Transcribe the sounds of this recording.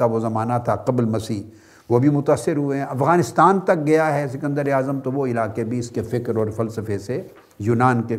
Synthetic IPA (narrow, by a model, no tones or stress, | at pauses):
aʋozɐmaːnat̪ʰaqɐblmɐsiːɦ | ʋobʱimʊt̪aːsːɪɾɦueɦɛ̃ɐfɣaːnɪst̪aːnt̪ɐk̚ɡɐjaɦɛsɪkə̃nd̪əɾeaːzəmt̪oʋoɪlaːkebʱiɪskefɪkɾɔːɾfɐlsəfese | juːnaːnke